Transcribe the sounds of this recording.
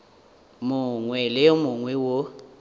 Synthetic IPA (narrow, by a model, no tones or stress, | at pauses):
mʊŋwɛlɪmʊŋwɛwo